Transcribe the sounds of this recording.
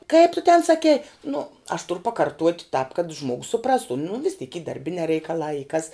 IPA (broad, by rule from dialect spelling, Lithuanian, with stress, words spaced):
kɐɪp tʊ tʲɛn sɐˈkʲɛɪ nʊ ɐʃ tʊrʊ pɐkɐrˈtuɔtʲ tɑːp kɐt ˈʒmuɔɡʊs sʊˈprɑːstʊ nʊ ʋʲɪs tʲiːk iː dɐrʲˈbʲɪnʲɛː rʲɛɪkɐˈlˠɑː iː kɐs